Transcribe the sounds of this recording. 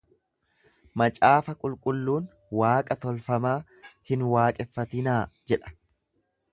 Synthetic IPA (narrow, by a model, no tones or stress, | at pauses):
mɐt͡ʃʼaːfɐkʼʊlkʼʊlːuːn | waːkʼɐt̪ɔlfɐmaː | hɪnwaːkʼɛfːɐt̪ɪnaːd͡ʒɛᶑɐ̥